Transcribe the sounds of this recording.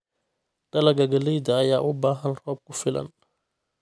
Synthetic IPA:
d̪̥ɐlɐɡɐɡɐlɛjd̪ɐːjaːʔʊbaːɦɐnrɔːb̚kʰʊfɪlɐ̰n

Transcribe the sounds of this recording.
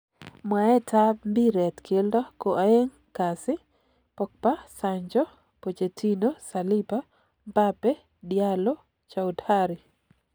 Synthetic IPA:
mwaɛtʰambiɾɛt̪kʰeldɔkoʔaeŋ | kasɪ | pɔk̚pasaɲd͡ʒɔ | pot͡ʃetʰinosalipa | mbapɛ | djalo | t͡ʃaudhaɾi

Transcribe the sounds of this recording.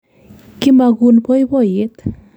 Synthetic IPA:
kimaɡunpɔjbɔjet̪

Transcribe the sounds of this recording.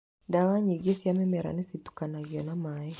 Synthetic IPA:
ndawaɲiɡesiamɛmɛɾa̰nisitu̥kanaɡiɔnamajɛ

